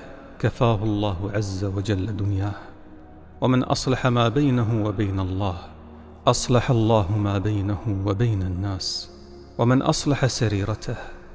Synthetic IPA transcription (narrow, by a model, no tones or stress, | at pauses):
kafaːɦʊlˤːɑːhʊʕazːawad͡ʒalːad̪ʊnjaːh | wamɪnʔɑ̰sˤlɑħamaːbajnaɦʊwabajnalˤːɑːh | ʔɑsˤlɑħalˤːɑːɦʊmaːbajnahʊwabajnanːaːs | wamɪnʔɑ̰sˤlɑħasaɾiːɾɑt̪ʰah